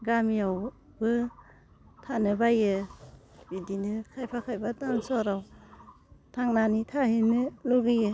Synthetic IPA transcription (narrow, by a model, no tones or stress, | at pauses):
ɡamijaw | bɯ | tʰanɯbajɯ | bidinɯkʰajpʰakʰajbatansɔɾaw | tʰaŋnanitʰahinɯlɔɡɯjɯ